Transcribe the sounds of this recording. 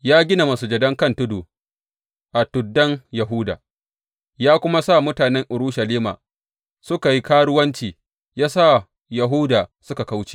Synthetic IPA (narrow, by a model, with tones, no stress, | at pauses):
jaː˦ɡʲɪ˦na˨mɐ˨su˨d͡ʒɐ˨dɐ˦ŋkɐ˦˨ntʊ˦doː˨ | ʔa˨tʊ˨dːɐ˦ŋjɐ˨ɦuː˦da̰ː˨ | jaː˦kʷʊ˦ma˦sa˦˨mʊ˦taː˨nɛ˦ŋʔʊ˨ɾʊ˦ʃɐ˨liː˦ma̰˨ | sʊ˦ka˨ji˦kaː˦ɽʊ˦wɐ˦nt͡ʃiː˨ | jaː˦sa˦˨ | ja˨ɦʊː˦daː˨sʊ˦ka˨ka˦wt͡ʃe̥ː˨